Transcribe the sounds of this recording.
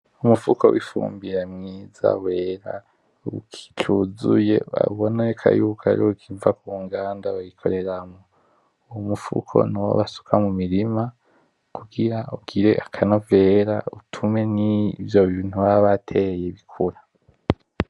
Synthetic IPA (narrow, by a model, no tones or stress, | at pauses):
umufukʰo̞̰wifṵːmbiɾemŋiːza̰we̞ːɾa̰ | ukʰi̥t͡ʃuzṵje̞a̰βoneekʰa̰jukʰa̰ɾiukʰivakuːŋɡaːndaβajikʰo̞̰ɾe̞ɾamo | uwumufṵkʰo̞̰nuwo̰βasu̥kʰamumiɾima | kʰuɡiɾauɡiɾe̞ʔakʰano̞ve̞ːɾautʰume̞nivjo̞βiːn̥huβaβatʰe̞jeβikʰuɾa